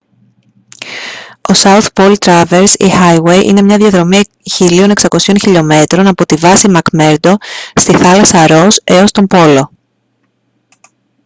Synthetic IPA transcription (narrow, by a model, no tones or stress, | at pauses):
osɐuθpo̞lt̪ɾɐve̞ɾsḭxɐjwe̞jʔḭne̞mɲɐðʝɐðɾo̞mi | çilio̞ne̞ksɐko̞sio̞nçiʎo̞me̞t̪ɾo̞nɐpo̞t̪ivɐsimɐkme̞ɾd̪o̞st̪iθɐlɐsɐɾo̞se̞o̞st̪o̞mpo̞lo̞